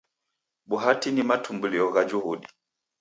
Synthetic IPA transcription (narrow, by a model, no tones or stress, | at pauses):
ɓuɦatinimatumbuliɔɣad͡ʒuhuɗi